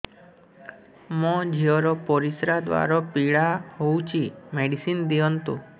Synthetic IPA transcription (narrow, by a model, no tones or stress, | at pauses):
mɔ̃d͡ʒʱiɔɾɔpɔɾisɾad̪ʋa̰ɾɔpiɭaɦowt͡ʃʰimeɖisind̪iɔnt̪ũ